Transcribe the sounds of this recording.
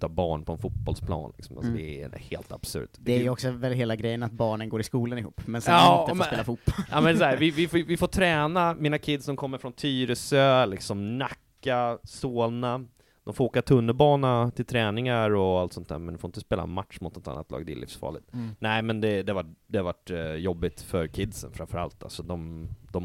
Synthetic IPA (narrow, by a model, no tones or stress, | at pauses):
t̪ʰːɑːbɑːɳpʰɔɛnfuːt̪̚bɔlspʰlɑ̰ːnlɪksɔmʔa̰lsɔd̪ɛhḛːlt̪a̰b̥sɵ̰ɾt̪ɛæjɔksɔvɛlɦeːlaɡɾɛjːənat̪̚bɑːɳənɡoːɾɪskuːlənɪhṵːpːmɛnsɑfspeːlafut̪bɔamɛnsæːvɪvɪfovɪfoːt̪ʰɾɛːnamɪnakʰɪd̪sdɔmkʰɔmːəɾfɾɔnt̪ʰyːɾəsøːlɪksɔmnakːasoːlna | d̪̥ɔmfooːkat̪ʰɵnːəbɑːnat̪ʰɪlt̪ʰɾɛːnɪŋaɾɔalt̪sɔnt̪ʰæ̰ːɾmɛ̰nɪfoɾɪnt̪əspeːla̰mat̪ʂmʊt̪nɔt̪a̰nːat̪lɑ̰ːɡ̚d̪ɛ̰ɪ̰lːɪ̰fsfɑ̰ːɭɪ̰t̪nɛɪmɛnd̪ɛd̪ɛvaʈd̪ɛhaɾvaʈːjɔbːɪt̪fœɾkʰɪd̪sə̰nfɾamfœɾa̰lt̪a̰lsɔd̪ɔmd̪ɔ